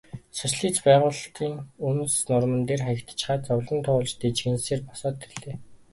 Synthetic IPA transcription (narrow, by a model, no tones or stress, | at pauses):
sʊt͡ɕɮiːt͡spæːʁʊːɮt̪iːŋunsnʊrmə̆nt̪eːrχăkt̪̆t͡ɕχaːt͡sɔwɮə̆nt̪ʰʊːɮt͡ɕt̪et͡ɕɡɘ̆nseːrpɔ̥sɔːt̪eɮeː